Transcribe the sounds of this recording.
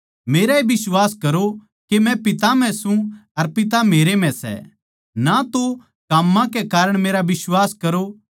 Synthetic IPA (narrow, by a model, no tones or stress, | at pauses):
meːɾaebɪswaːskɐɾo | kemɛ̃pɪt̪am̤ɛ̃sũɐɾpɪt̪̬ameːɾem̤ɛ̃sɛ̰ | nat̪o | kɐmːãkɛkaːɾəɽ̃meːɾaʋɪswaːskɐɾo